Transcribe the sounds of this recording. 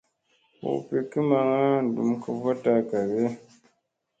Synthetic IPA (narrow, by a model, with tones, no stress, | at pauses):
wo̰˨pe˨kɨ˦ma˨ŋa˦˨du˨mkə˨va˦ta˦˨ka˨be˦